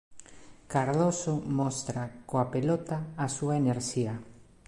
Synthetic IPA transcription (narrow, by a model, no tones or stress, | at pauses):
kaɾðosomɔst̪ɾakoapelot̪aːsuaeneɾʃia